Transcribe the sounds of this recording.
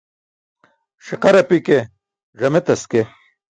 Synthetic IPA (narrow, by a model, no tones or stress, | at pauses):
ʂiqɐɾɐpike | ʐɐmet̪ɐske